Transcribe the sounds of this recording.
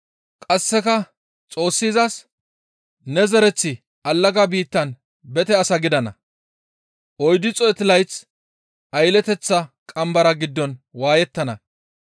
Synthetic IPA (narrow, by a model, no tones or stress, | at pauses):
kʼɐsːɛkɐ | t͡sʼo̞ːsːiːzɐs | nɛzɛɾɛt͡sːɪ | ʔɐlːɐɡabiːt̪ːɐn | bɛt̪ɛɐsɐɡɪd̪ɐnɐ̰ | ʔɔjd̪ɪt͡sʼɔjɛt̪ɪlɐjt͡s | ʔɐjlɛt̪ɛt͡sːɐkʼɐmbɐɾɐɡɪd̪ːɔnwaːjɛt̪ːɐnɐ